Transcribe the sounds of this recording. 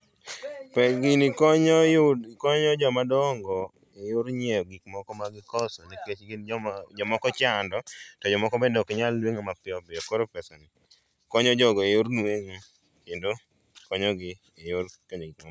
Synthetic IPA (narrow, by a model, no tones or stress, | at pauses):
pɛɡɪnikɔɲɔjokɔɲɔd͡ʒɔmadɔŋɡɔ | ejoɾɲejɔɡikmɔkɔmaɡɪkɔsɔniket͡ʃɡinɔd͡ʒɔmɔkɔt͡ʃandɔtɔd͡ʒɔmɔkɔbedɔkɲalːweŋɔmapɪɔbɪɔkɔɾopɛsanɪ | kɔɲɔd͡ʒɔɡɔejoɾnweŋo | kendo | kɔɲɔɡɪ | ejorkɔɲɔɡikma